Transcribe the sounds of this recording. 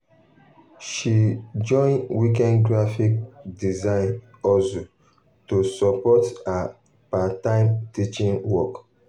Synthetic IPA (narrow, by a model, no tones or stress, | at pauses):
ʃid͡ʒɔ̃ɪ̃nwikɛ̃nɡɹafik̚dizãɪ̃n | ɔso | tusɔpɔta | patãɪ̃mtit͡ʃĩnwɔk